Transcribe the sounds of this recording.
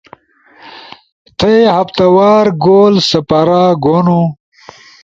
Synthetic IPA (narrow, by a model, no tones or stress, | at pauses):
t̪ʰɐehɐpt̪ɐwaːɾɡoːlsɐpɐɾaɡonu